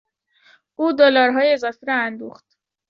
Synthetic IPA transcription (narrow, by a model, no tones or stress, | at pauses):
ʔuːd̪olɒːɾɦɒːjeezɒːfiɾɒænd̪uːxt̪